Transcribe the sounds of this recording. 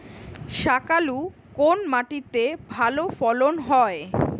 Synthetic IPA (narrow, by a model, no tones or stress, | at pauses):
ʃakalu | konmaʈit̪ebʱalofɔlonɦɔe